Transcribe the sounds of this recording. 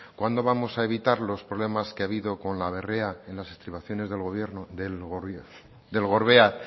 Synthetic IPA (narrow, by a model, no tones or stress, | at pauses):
kwand̪o̞βamo̞sae̞β̞it̪aɾlo̞spɾoβle̞maskeaβiðo̞ko̞nlaβe̞re̞aenlasest̪ɾiβaθjo̞ne̞zðe̞lɣoβjeɾnoðe | d̪e̞lɣo̞ɾβe̞a